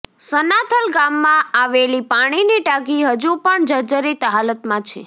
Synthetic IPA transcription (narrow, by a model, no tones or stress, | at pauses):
sənat̪ʰəlɡamːãaʋelipaɽ̃iniʈak̬iɦəd͡ʒupəɳd͡ʒəd͡ʒəɾit̪ɦalət̪mãt͡ʃʰḛ